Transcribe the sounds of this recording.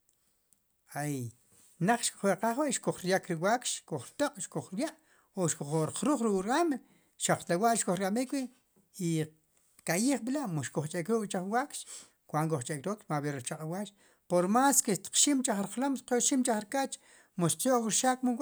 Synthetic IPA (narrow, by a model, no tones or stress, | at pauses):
aj | naq͡χʃku̥χweqaχweʔʃkoχɾjakɾiwakʃkoχɾt̪oqʼʃkuχɾjaʔ | oʃkoχoɾqɾuːχɾukʼɾam | ʃaq͡χlawaʔʃkoχɾkʼamikwi | i | kajiːχɓilaʔmoʃkoχt͡ʃʼekɾuːkʼt͡ʃaχwakʃ | kʷwʷaŋkʼoχt͡ʃʼekɾakʃmaɓeɾit͡ʃaqʼawaʃ | poɾmaːskeʃt̪q͡χʃimt͡ʃaχɾiqlomqoʃimt͡ʃaχɾkat͡ʃ | moʃqjoʔwiɾʃaːkmuwa